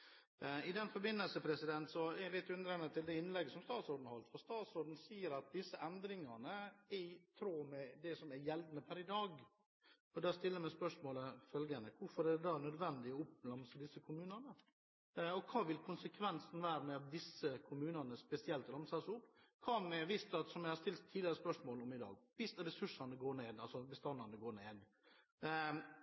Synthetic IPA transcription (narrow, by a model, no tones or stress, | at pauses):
ɪd̪ɛnfɔɾbɪnːəlsəpʰɾɛsɪd̪ɛnt̪sɔɛlɪt̪ːʉnd̪ɾɛnət̪ʰɪld̪ɛɪnlɛɡːəsɔmst̪ɑːt̪sɔɾɖ̪n̩hɑlt̪fɔɾst̪ɑːt̪sɔɖ̪n̩siːəɾɑt̪̚d̪ɪsːəʔɛnd̪ɾɪŋɑnəɪɪt̪ʰɾoːmɛd̪ɛsɔmæɾjɛld̪nəpʰæɾɪd̪ɑːɡ | ɔd̪ɑːst̪ɪlːəmɛspœʂmoːləfœlɡənəkʰʊɾfɔɾɛd̪ɛd̪ɑːnœd̪ʋɛnd̪ɪɔʊplɑmsəd̪ɪsːəkʰʊmʉːnənə | ɔkʰɑːʋɪlkʰʊnsəkʰʋɛnsn̩ʋæːɾmɛɑt̪̚d̪ɪsːəkʰʊmʉːnənəspɛsɪɛlt̪ɾɑmsɑsʊpːkʰɑːmɛʋɪst̪ɑt̪sɔmjɛɪhɑɾʂt̪ɪlt̪ʰːiːɪɾəspœʂmoːlɔmɪd̪ɑ̰ːɡʋɪst̪ɛɾɛsʉʂɑnəɡoːɳeːd̪ɑlsɔbəst̪ɑnːɑnəɡoːɳeːd̪